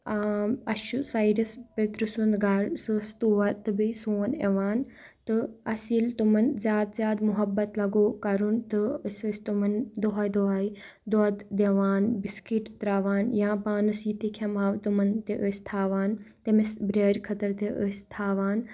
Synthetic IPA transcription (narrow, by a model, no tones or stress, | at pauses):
ɐʃusaːjɖɐspet̪ɾusund̪ɡɐɾsɨst̪uːʋɐɾt̪ɨbisoːnḛʋaːn | t̪ɨɐsilt̪umɐnzʲjaːd̪zʲjaːd̪muɦɐbːɐt̪lɐɡoːkɐɾunt̪ɨəsʲɨsʲt̪umɐnd̪oɦaːjd̪oɦaːi | d̪od̪d̪eʋaːnbiskiʈt̪ɾaːʋaːnjãːpaːnɨsit̪ikʲʰɐmaːʋt̪umɐnt̪eʔəsʲt̪ʰaːʋaːnt̪emesbɾeːɾʲkʰɐt̪ɐɾt̪eʔəsʲt̪ʰaːʋaːn